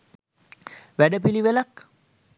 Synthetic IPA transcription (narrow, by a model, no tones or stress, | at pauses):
ʋæɖəp̬iliʋelak